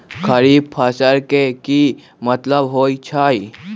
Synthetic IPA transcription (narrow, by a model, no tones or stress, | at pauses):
kʰəɾiːb̚pʰasəɾkeki | mɐt̪ləbɦoːit͡ʃʰaːi